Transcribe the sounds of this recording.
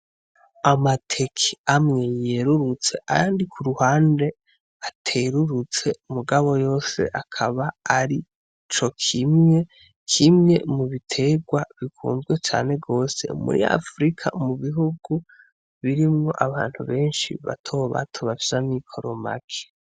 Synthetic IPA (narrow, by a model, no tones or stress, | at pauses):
amatʰe̞kʰiamŋe̞jeɾuɾut͡se̞ʔa̰jaːndikʰuɾuhaːnde̞ | atʰeɾuɾut͡se̞muɡaβo̞jo̞ːse̞̰ʔakʰaβaːɾi | t͡ʃo̞kʰimŋe̞ | kʰimŋe̞̰muβitʰe̞ɡwaβikʰṵːnzɡwe̞t͡ʃa̰ːne̞ɡo̞ːse̞̰mṵɾḭa̰fɾikʰa̰muβiɦuɡu | βiɾimŋo̞̰ʔaβa̰ːn̥huβe̞ːnʃḭβa̰tʰo̞ːβa̰tʰoβafizamikʰo̞ɾoma̰kʰe̥